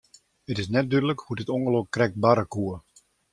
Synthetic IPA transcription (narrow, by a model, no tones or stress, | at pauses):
ətɪs̬nɛt̚dydələkhudɪtɔŋɡəlokkːrɛk̚t̚baɾəkuə